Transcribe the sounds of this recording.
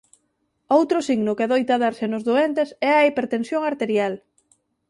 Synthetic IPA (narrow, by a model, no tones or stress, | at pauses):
owt̪ɾʊsiɣnʊkɪaðojt̪aðaɾsenʊzðoent̪esɛɐipeɾt̪ensjoŋaɾt̪eɾjal